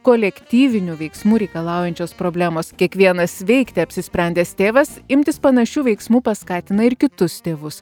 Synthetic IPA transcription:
koːlʲɛkt̪ʲiːʋʲɪnʲuʋʲɛɪksmuːɾʲɛɪkɐlˠɑˑʊjɛnʲt͡ʃʲoːspɾoːbʲlʲæːmoːskʲiɛkʋʲiɛnɐsʋʲɛɪkt̪ʲɛɐpʲsʲɪsʲpʲɾʲɛnʲd̪ʲeːst̪ʲeːʋɐsɪmʲt̪ʲɪspɐnɐʃʲuːʋʲɛɪksmuːpɐskɑːt̪ʲɪnɐɪɾkʲɪt̪ʊst̪ʲeːʋʊs

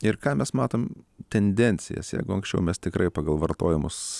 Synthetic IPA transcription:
ɪrkɑːmʲɛsmɑːt̪oːmt̪ʲɛnʲd̪ʲɛnʲt̪sʲɪ̰jɛ̰sjɛ̰ɪɡʊɐŋksʲt͡ʃʲɛʊmʲɛst̪ʲɪkɾɐɪpɑːɡɐlˠʋɐrt̪oːjɛmʊs

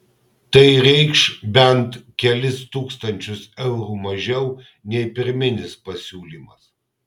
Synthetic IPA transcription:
t̪ɐɪɾʲɛɪkʃbʲɛnt̪kʲɛlʲɪst̪uːkst̪ɐnʲt͡ʃʲʊsɛʊɾuːmɐʒʲɛʊ | nʲɛɪpʲɪɾʲmʲɪnʲɪspɐsʲuːlʲiːmɐs

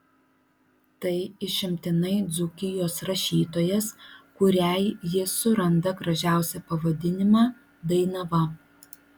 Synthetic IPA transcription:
t̪ɐɪɪʃʲɪmʲt̪ʲɪnɐɪd̪zʊkʲɪjoːsɾɐʃʲiːt̪oːjɛskʊɾʲæɪjɪsʊɾɐnd̪ɐɡɾɐʒʲæˑʊsʲɛpɐʋɐd̪ʲɪnʲɪmɑː | d̪ɐɪnɐʋɐ

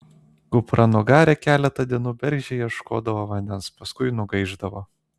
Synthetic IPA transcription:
ɡʊpɾɐnʊɡɑːɾʲɛkʲæːlʲɛt̪ɐd̪ʲiɛnuːbʲɛɾʲʒʲɛjɛʃko̰ːd̪ɐʋoːʋɐnʲd̪ʲɛnspɐskʊɪnʊɡɐɪʒd̪ɐʋoː

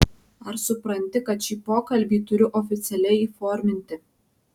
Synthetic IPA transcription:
ɐɾsʊpɾɐnʲt̪ʲɪkɐt̪ʃʲiːpoːkɐlʲbʲiːt̪ʊɾʲʊʔɔfʲɪt̪sʲɛlʲɛɪiːfɔːɾʲmʲɪnʲt̪ʲɪ

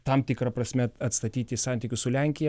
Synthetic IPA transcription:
t̪ɐmt̪ʲɪkɾɐpɾɐsʲmʲɛɐt̪st̪ɐt̪ʲiːt̪ʲɪsɑˑnʲt̪ʲɪkʲʊssʊlʲɛŋʲkʲɪjɛ

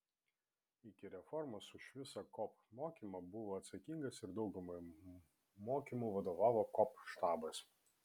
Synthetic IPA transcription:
ɪkʲɪɾʲɛfɔɾmɐsʊʃʋʲɪsɐkɔp | moːkʲiːmɐbʊʋoːɐt̪sɐkʲiŋɡɐsɪɾd̪ɒʊɡʊmɐ | moːkʲimuːʋɐd̪oːʋɑːʋoːkɔpʃt̪ɑːbɐs

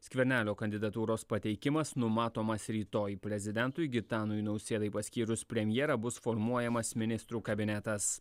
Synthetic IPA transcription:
sʲkʲʋʲɛɾʲnʲæːlʲoːkɐnʲd̪ʲɪd̪ɐt̪uːɾoːspɐt̪ʲɛɪkʲɪmɐsnʊmɑːt̪oːmɐsɾʲiːt̪oːjpʲɾʲɛzʲɪd̪ʲɛnt̪ʊjɡʲɪt̪ɑːnʊjnɒʊsʲeːd̪ɐɪpɐsʲkʲiːɾʊspʲɾʲɛmʲjɛːɾɐbʊsfɔɾmuɔjɛmɐsmʲɪnʲɪst̪ɾuːkɐbʲɪnʲɛt̪ɐs

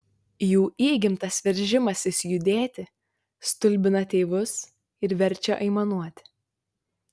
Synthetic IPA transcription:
juːʔiːɡʲɪmt̪ɐsʋʲɛɾʲʒʲɪmɐsʲɪsʲjʊd̪ʲeːt̪ʲɪ | st̪ʊlʲbʲɪnɐt̪ʲeːʋʊs | ɪɾʋʲɛɾʲˑt͡ʃʲɛʔɐɪmɐnuɔt̪ʲɪ̥

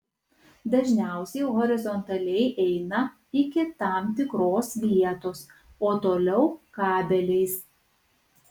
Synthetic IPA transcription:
d̪ɐʒʲnʲæˑʊsʲɛɪɣɔɾʲɪzɔnt̪ɐlʲɛɪʔɛɪnɐ | ɪkʲɪt̪ɑˑmt̪ʲɪkɾoːsʋʲiɛt̪oːs | oːt̪oːlʲɛʊkɑːbʲɛlʲɛɪs

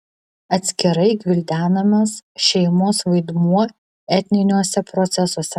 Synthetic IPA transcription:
ɐt̪ʲsʲkʲɪɾɐɪɡʲʋʲɪlʲd̪ʲæːnɐmʲɐsʃʲɛɪmoːsʋɐɪd̪muɔ | ɛt̪ʲnʲɪnʲuɔsʲɛpɾɔt̪sʲɛsuɔsʲɛ

